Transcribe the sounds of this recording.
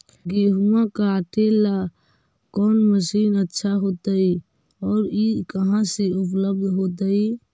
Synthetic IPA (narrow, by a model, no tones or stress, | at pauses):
ɡeːɦumãkaəʈela | kɔːnməsiːnətːʃʰaɦoːt̪ai | ɔːɾikəɦãseʊp̬ləb̚d̪ʱɦoːt̪̬ai